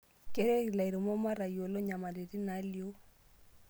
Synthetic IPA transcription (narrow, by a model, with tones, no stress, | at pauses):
ke˨ɾɛ˦˨la˨i˨ɾɪ˨mɔ˦ma˦ɾa˨jo˨lɔ˦ɲa˨ma˨le˨di˦na˨˦ljo˦